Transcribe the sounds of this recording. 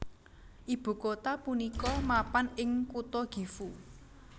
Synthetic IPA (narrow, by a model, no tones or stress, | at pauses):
ʔib̥ṳkot̪apunikɔmapanɪŋkut̪ɔɡ̥i̤fu